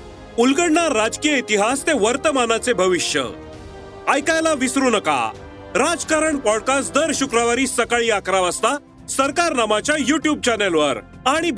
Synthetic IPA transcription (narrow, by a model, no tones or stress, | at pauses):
ulɡəɽnaɾːad͡zkijəit̪iɦast̪eʋəɾt̪əmanat͡sebʱəʋiɕjə̰ | ajkajlaʋisɾunəka̰ | ɾad͡zkaɾəɳpɔɽkasd̪əɾɕukɾaʋaɾiːsəkaɭiːakɾaʋəst̪a | səɾkaɾnamat͡ɕjajuʈjub̚t͡ɕɛnelʋəɾ | aɽ̃ib